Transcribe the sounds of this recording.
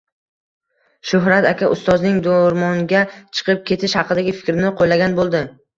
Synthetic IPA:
ʃʊɦɾat̪akʲʰaʔʊst̪ɒznɪŋd̪oɾmɒŋɡʲat͡ʃʰɨ̥qʰɨp̚kʲʰe̞t̪ʰɪʃhɑqɨd̪aɡʲɪfɪ̥kʲɾnɪqʰojlaɡʲanbolˠd̪ɪ

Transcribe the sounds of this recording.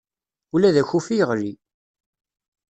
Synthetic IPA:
ulæðæçufijəʁɾi

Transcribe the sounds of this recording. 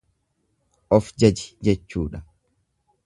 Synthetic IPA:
ʔɔfd͡ʒɐd͡ʒɪ̥d͡ʒɛt͡ʃːuːᶑɐ

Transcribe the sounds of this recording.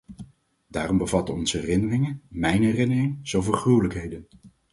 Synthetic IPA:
daːrɔmbəvɑtəɔ̰nzəɦɛrɪnərɪŋənmɛjnɦɛrɪnərɪŋz̥owvəlχruwləkɦejdən

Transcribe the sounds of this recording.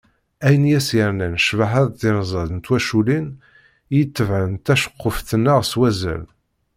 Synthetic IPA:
æjənjæsjəɾnænʃvaɦəðˤðɪɾzˤɑðnt̪wæʃulin | jət̪ːəvʕənt̪æʃə̥qːʊfθənːaʁswæzæ̰l

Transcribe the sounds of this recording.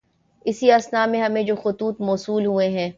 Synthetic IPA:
ɪsiaːsnaːmẽɦɐmẽd͡ʒoːxʊt̪uːt̪mɔːsuːlɦueɦɛ̃ː

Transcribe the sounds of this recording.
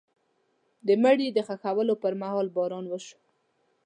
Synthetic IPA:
d̪əməɽid̪əxaxawəlopəɾmahɑlbɑɾɑnwəʃu̥

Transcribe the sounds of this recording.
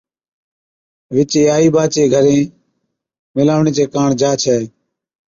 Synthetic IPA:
ʋɪt͡ʃeːaːiːbaːt͡ʃeːɡʱəɾẽː | mɪlaːʋɳeːt͡ʃeːkaːɳd͡ʒaːt͡ʃʰɛː

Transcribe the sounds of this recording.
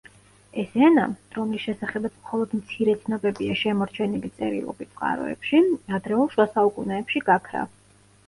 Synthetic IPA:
ɛsɛnaɾɔmlisʃɛsaχɛbat̪sʰmχɔlˠɔd̪mt̪sʰiɾɛt̪sʰnɔbɛbiaʃɛmɔɾt͡ʃʰɛnilit̪sʼɛɾḭlˠɔ̰bit̪sʼqʼa̰ɾɔ̰ɛ̰pʃiad̪ɾɛulˠʃwasaukʼunɛːpʃiɡakʰɾa̰

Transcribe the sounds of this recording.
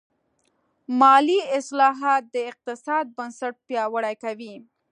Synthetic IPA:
mɑliɪslɑɦɑt̪̚d̪əɪq̚t̪ɪsɑd̪̚bənsaʈ̚pjɑwəɽajkawi

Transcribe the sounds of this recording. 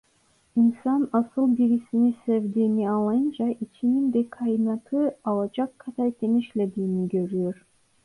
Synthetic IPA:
insɑnɑsɯlˠbiɾʲisinisevd̪eniɑlˠɑjnd͡ʒɑʔit͡ʃʰinind̪ekʰɑjinɑt̪ʰɯɑlˠɑt͡ʃɑkʰːɑt̪ɑjt̪eniʃlʲed̪iniɡøɾyjøɾ

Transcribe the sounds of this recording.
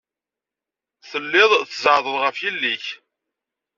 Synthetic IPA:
θəlːɪðˤθəzəʕðˤəðʁəfjilːiç

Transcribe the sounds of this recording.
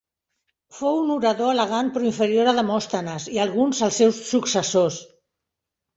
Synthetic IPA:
fowunuɾəðoələɣ̞anpɾɔiɱfəɾioɾəðəmɔst̪ənəziəlˠɣunzəlˠsːɛwsːuksəsos

